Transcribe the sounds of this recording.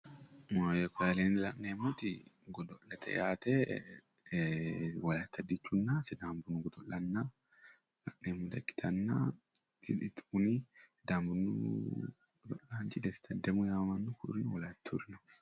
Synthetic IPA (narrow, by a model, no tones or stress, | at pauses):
mojɛkaːleːnlɐkʼneːmut̪ɪɡɔd̪ɔlːɐt̪ʰɛ̰jaːt̪e | wɐlaːt̪ːɐd̪ɪt͡ʃːunːasɛd̪aːmbʊnːʊɡɔd̪ɔlːɐnːa | lɐ̰kneːmːʊd̪ɐkːɪ̥t̪ʰɐnːa̰ː | ɪɪt̪uni | d̪aːmbʊnːṵ | ɡd̪ɔ̰lːaːnd͡ʒɪd̪ɛst̪ʰɐd̪ɛmʊjaːɐmɐnːʊkʊɾɪnwɐlaːt̪ːuɾɪnɐ